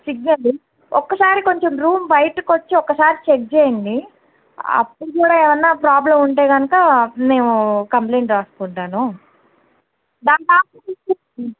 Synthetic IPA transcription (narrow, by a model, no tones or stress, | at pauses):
siɡnɐli | ɔkːɐsaːɾiko̞ɲt͡ʃo̞mɾuːmbɐjʈkot͡ʃːiɔkːɐsaːɾit͡ʃek̚d͡ʒeːjɐnɖ̪i | ɐ̰pːuɽukuːɽaːɛːʋɐnːaːpɾaːblɐmuɳʈe̞ːɡɐnukɐne̞ːnukɐmple̞ːɳʈɾaːsu̥kuɳʈaːnu | d̪aːnʈaːɐitu | i